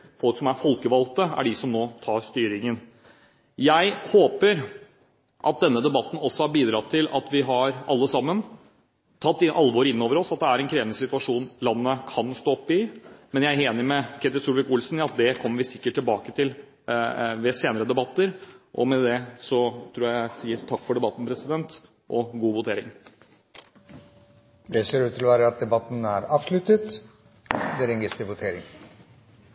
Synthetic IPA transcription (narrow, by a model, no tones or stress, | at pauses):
fɔlksɔmæɾfɔlkəʋɑlt̪əæ̰ɖɪsɔmnoːt̪ʰɑːɾst̪yːɾɪŋən | jæɪhoːpəɾ | ʔɑt̪̚d̪ɛnːəd̪ɛbɑt̪ːn̩ɔsːɔhɑɾbiːd̪ɾɑt̪ʰːɪlɑ̰t̪ʋɪɦɑɾʔɑlːəsɑmːən | t̪ʰɑt̪ːɪʔɑlʋoːɾɪnːoːʋəɾɔsɑt̪̚d̪ɛæɾɛnkʰɾeːʋnəsɪt̪ʉɑʂuːnlɑnːəkʰɑnst̪oːɔpːɪmɛnjæɪeːnɪmɛkʰɛt̪ɪlsuːlʋɪkʊlsn̩ɪɑt̪̚d̪ɛkʰɔmːəɾʋɪsɪkːəʈʰːɪlbɑːkət̪ʰɪl | ʋɛseːnəɾəd̪ɛbɑt̪ːəɾʔɔ̰mɛd̪ɛsɔt̪ʰɾuːjææsiːəɾt̪ʰɑkːfɔɖɛbɑt̪ːn̩pɾɛsɪd̪ɛnt̪ | ʔɔɡuːʋʊt̪ʰeːɾɪŋ | d̪ɛseːɾʉːt̪ʰːɪlɔʋæːɾəɑt̪̚d̪ɛbɑt̪ːn̩æɾɑːʋʂlʉt̪ət̪ | d̪ɛɾɛŋɡəst̪əʋʊt̪ʰeːɾɪ̰ŋ